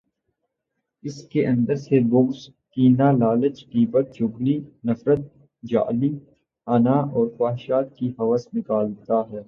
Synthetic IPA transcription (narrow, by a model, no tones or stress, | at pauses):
ɪskeʔɐ̃nd̪əɾseboɡs | kiːnaːlaːlət͡ʃʈiːpət̪̚d͡ʒʊɡliːnɐfɾət̪̚ | d͡ʒa̰ːliː | aːnaːʔɔːɾxaːɦɪʃaːt̪̚kiɦɐʋəsnɪkaːlt̪aɦɛː